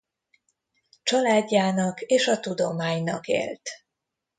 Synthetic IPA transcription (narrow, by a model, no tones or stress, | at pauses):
t͡ʃɒlaːɟːaːnɒkeːʃɒt̪ud̪o̞maːɲnɒ̰kḛːlt̪